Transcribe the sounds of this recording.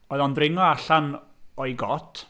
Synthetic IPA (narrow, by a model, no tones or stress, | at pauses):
ɔɨðɔndrɪŋɔaɬan | ɔjɡɔtʰ